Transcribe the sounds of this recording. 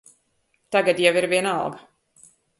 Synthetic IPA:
t̪aɡad̪javiɾvʲiɛna̰lˠɡa

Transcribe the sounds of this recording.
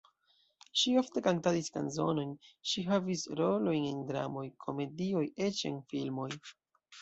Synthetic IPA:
ʃio̞fte̞kaŋtaɾiska̰nzo̞no̞jnʃiɦavisɾo̞lo̞jnendɾa̰mo̞jkʰo̞me̞dio̞je̞t͡ʃe̞̰nfilmo̞j

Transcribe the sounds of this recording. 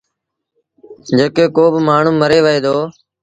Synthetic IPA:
d͡ʒəkeːkoːbmaːɳ̤ũːməɾeːʋəɦeːd̪oː

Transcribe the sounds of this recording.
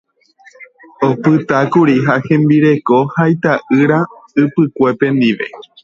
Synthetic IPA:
opɨt̪akuɾiɦahẽ̞mbiɾe̞ko̞hajt̪aʔɨɾaɨpɨkʷe̞pẽ̞nd̪iʋe̞̰

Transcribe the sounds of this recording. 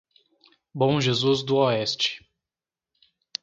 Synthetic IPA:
bõʒezuzd̪ʊɔɛst͡ʃɪ̥

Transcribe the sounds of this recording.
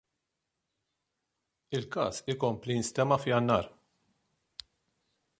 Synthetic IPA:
ɪlkɐ̰ːsɪkɔmplijɪnst̪ɛmːɐfjɐnːɐːɾ

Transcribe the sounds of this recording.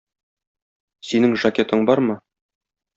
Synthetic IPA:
sinɘŋʒakʲe̞t̪ɤɴbɑɾmɤ

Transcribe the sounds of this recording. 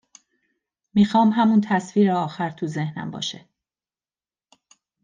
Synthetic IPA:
miːxɒːmɦæmunt̪ʰæsfiːɾeɒːxæɾt̪ʰuze̞hnæ̰mbɒ̰ːʃe

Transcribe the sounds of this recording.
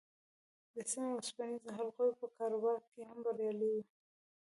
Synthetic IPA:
d̪əsimeaspanizɦalqojpəkɑɾʊwɑχkehambaɾjɑliwi

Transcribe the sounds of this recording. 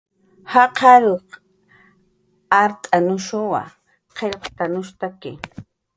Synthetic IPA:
hɑqʰɑɾoq | aɾt̪ʼanʊʃʊwa̰ | qʰeʎqt̪anʊʃt̪akɪ

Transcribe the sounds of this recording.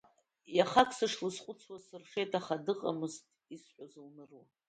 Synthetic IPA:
jaχakʰsɨʂlɨsqʷʼʊt͡sʰwasɨrχʲejtʰʼaχadɨqʼa̰mɨztʼisħʷᶣazɨlnɨrwa

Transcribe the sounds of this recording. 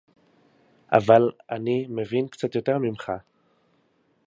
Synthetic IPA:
ʔa̰valanimevinkt͡sat̪jo̞te̞ʁmimχa

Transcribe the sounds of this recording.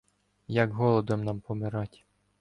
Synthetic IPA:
jɐɡɦɔlˠɔd̪ɔmnɑmpɔmɪɾɑtʲ

